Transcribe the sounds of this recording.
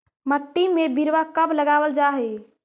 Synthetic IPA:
məʈːimebiɾʋakəbləɡawəld͡ʒaɦɛ

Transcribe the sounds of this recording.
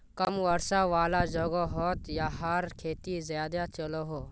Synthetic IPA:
kɐmʋɐɾsaʋaːlad͡ʒɐɡɔɦɔːt̪jaɦaɾkʰeːt̪izjaːd̪at͡ʃɐloɦoː

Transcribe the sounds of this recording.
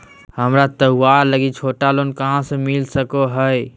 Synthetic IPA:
həmɾat̪əwaɾləɡit͡ʃʰoʈalonkəɦãsə̃milsəkoɦəj

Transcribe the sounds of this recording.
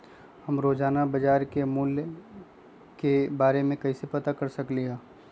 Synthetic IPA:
hɐmɾoːd͡ʒaːnabɐd͡ʒaːɾkemʊl | kebaːɾemẽkɐisepɐt̪akɐɾsɐkliaː

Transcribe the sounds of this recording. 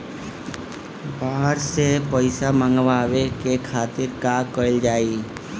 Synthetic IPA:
baːɦəɾsepəɪsamə̃ŋɡʋaːʋekekʰaːt̪ɪɾkakəɪld͡ʒaːi

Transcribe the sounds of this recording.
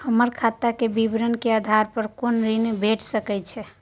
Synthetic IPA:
həməɾkʰat̪akebibɾənkead̪ʱaɾpəɾkonɾinebʱeʈʰsəkɛjt͡ʃʰɛ

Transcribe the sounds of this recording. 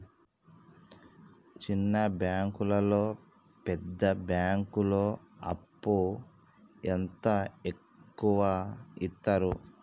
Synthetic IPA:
t͡ʃinːɐbjaːŋkulɐlo̞ː | pɛd̪ːɐbjaːŋkulo̞ːɐ̰pːu | ent̪ɐekːuʋaːit̪ːaːɾu

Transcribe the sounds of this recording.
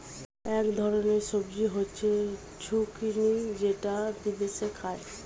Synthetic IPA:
ɛkd̪ʱɔɾoneɾʃobd͡ʑiɦotːɕʰe | t͡ɕʰukinid͡ʑeʈad̪id̪esʰekʰae

